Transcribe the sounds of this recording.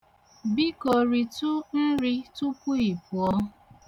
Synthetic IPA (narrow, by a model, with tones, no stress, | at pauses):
bi˦kɔ˨ɾi˨tʊ˦n̩˦ɾi˦tʊ˦pʊ˦i˨pu˨ɔ˦